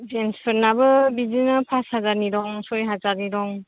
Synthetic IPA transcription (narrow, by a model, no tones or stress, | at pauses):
zenspʰɯɾnabɯbizinapʰashazaɾniɾɔŋsɔjɦazaɾniɾɔŋ